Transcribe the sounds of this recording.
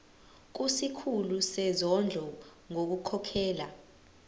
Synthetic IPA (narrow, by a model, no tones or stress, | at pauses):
k̬usikʰulusɛzɔnd͡ɮʱɔ | ŋok̬uǃʰɔkʰɛːla